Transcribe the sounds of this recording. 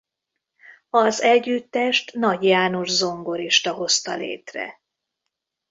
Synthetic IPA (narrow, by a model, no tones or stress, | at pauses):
ɒzɛɟːyt̪ːɛʃt̪nɒɟjaːnoʒzo̞ŋɡo̞ɾiʃt̪ɒɦo̞st̪ɒlḛːt̪rɛ̰